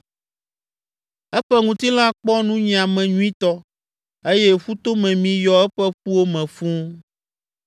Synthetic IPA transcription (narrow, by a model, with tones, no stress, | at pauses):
ɛ˦ɸɛ˦ŋũ˨t̪i˦l̃ã˦k͡pɔ˦nũ˦ɲĩ˨a˨mɛ̃˨ɲũ˦ĩ˦t̪ɔ˦ | e˦je˦ɸu˦t̪o˦mɛ̃˨mĩ˨jɔ˨ɛ˦ɸɛ˦ɸu˦wo˦mɛ̃˨fũ˦